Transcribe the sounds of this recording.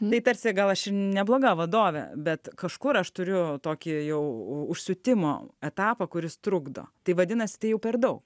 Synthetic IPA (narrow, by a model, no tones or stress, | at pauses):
t̪ɐɪt̪ɐɾʲsʲɪɡɐlˠɐʃɪnʲɛblˠoːɡɑːʋɐd̪oːʋʲɛ̰bʲɛt̪kɐʃkʊɾɐʃt̪ʊɾʲʊt̪oːkʲijɛʊʊʃʲsʲʊt̪ʲɪmo̰ːɛt̪ɑːpɐkʊɾʲɪst̪ɾʊɡd̪o̰ːt̪ɐɪʋɐd̪ʲɪnɐsʲɪ̥t̪ɐɪjɛʊpʲɛrd̪ɐʊk